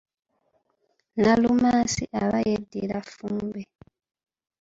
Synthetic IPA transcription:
nalumaːsiʔaβajedːilafuːmbe

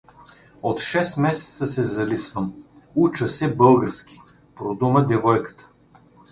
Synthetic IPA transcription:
ot̪ʃɛst̪mɛsɛ̥t̪səsɛzɐlisvəm | ut͡ʃəsɛbɤlˠɡəɾsk̟ʲi̥ | pɾod̪uməd̪ɛvɔjkə̥t̪ə̥

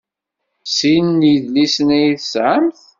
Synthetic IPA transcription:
sinnjəðlisənæjiθsʕaəmθ

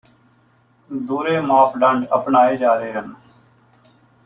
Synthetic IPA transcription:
d̪uːɾeːmaːpʰɖəɳɖəpnaːeːd͡ʒaːɾeːɦən

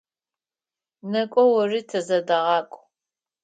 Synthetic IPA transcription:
nɐkʷʼɔwɐriːtʰɐzɐdɐʁɑːkʷʼ

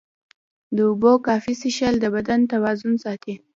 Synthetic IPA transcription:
d̪əʊbokɑfisɪʃald̪əbad̪ant̪awɑzʊnsɑt̪i

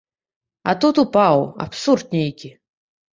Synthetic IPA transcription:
a̰t̪ut̪upawa̰psurd̪̚nʲejkʲi

